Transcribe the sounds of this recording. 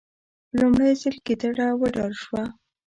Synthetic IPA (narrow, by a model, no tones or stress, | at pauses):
lumɽajzəlked̪aɽawəɖɑɾʃwa